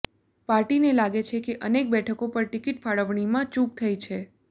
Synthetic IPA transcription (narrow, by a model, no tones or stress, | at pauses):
paɾʈinelaɡet͡ʃʰekeʔənek̚bɛʈʰəkopəɾʈɪkiʈfaɭəʋɳ̃imãt͡ʃuk̚t̪ʰəit͡ʃʰe